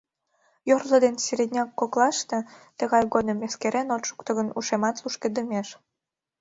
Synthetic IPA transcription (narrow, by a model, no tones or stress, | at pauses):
jorləd̪enseɾed̪ʲnʲɑkːoklˠɑʃt̪e̽t̪əɣɑjɣod̪əmːeskeɾenot̪ʃu̥kt̪ə̆ɣənuʃemɑt̪luʃked̪əmeʃ